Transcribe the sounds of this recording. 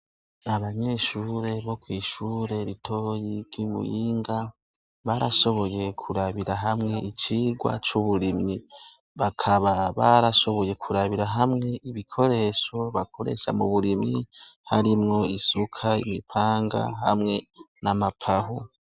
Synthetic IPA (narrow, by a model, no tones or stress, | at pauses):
aβaɲe̞ːʃuːɾe̞βo̞kwiːʃuːɾe̞ɾitʰo̞jiɾɡimṵjiːŋɡa | βaɾaʃo̞βo̞je̞kʰuɾaβiɾaɦamŋe̞ʔit͡ʃiːɡwa̰t͡ʃuβuɾimɲi | βakʰaβaβaɾaʃo̞βo̞je̞kʰuɾaβiɾaɦamŋe̞ʔiβikʰo̞ɾe̞ːʃo̞βakʰo̞ɾe̞̰ʃa̰muβuɾimɲihaɾimŋo̞isukʰaimipʰaːŋɡa̰ɦamŋe̞ | namapʰaɦo